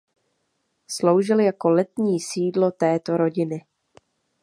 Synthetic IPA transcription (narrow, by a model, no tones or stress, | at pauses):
slo̞wʒɪljako̞lɛt̪ɲiːsiːdlo̞t̪ɛːt̪o̞ɾo̞ɟɪnɪ